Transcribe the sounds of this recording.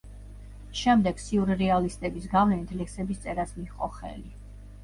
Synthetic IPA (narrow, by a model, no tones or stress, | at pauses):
ʃɛmd̪ɛɡ̥siuɾɾɛalist̪ʼɛbisɡavlɛnit̪ʰlɛksɛbist̪sʼɛɾasmiχʼɔ̰χɛ̰li